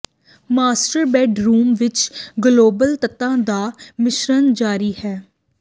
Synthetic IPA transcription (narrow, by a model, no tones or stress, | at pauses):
maːsʈəɾbɛːɖɾuːmʋɪt͡ʃɡloːbəlt̪ət̪ːãːd̪aːmɪʃɾənd͡ʒaːɾiːhɛː